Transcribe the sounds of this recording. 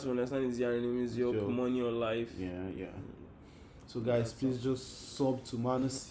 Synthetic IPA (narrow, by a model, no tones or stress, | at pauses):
tuɔ̃ndəs̬tãndĩziãɹɛnĩmiziɔmɔniɔlaɪfjaja̰ | soɡaɪzpʰlisd͡ʒɔssɔbtʰumanəs